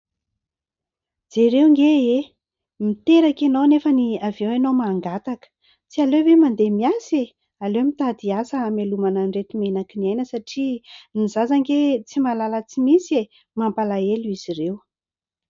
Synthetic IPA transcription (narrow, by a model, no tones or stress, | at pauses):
d͡zeɾewŋɡee | mit̪eɾakenownefəniavewenomaːŋɡat̪akə̥ | t͡sialevemand̪emiase | alewmit̪ad̪iasəamelumananret̪umenakiniajnəsaʈ͡ʂinizazaŋɡet͡simalalət͡simisie | mampalaeluiz̥irew